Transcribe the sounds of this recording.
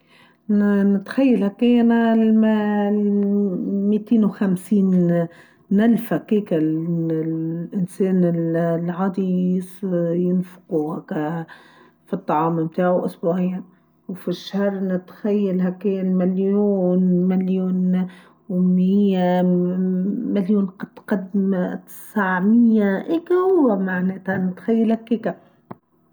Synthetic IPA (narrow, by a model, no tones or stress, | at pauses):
nɪt̪xajːalhakːenalm | miːt̪eːnwxamsiːn | alfhakiːka | ʔɪnseːnɪllʕɑːd̪isjɪnfʊ̥quhakːa | fit̪ˤːɑʕɑːmɪmt̪aːʕwʔʊsbuːʕɪjːa | wfiʃːahɾˤnɪt̪xajːalɦakːelmaljuːnmaljuːn | wmɪɪjːa | maljuːnqɑt̪qad̪mt̪ɪ̥saʕmɪjːaʔɪːkamaʕneːt̪hanɪt̪xajːalhakːiːka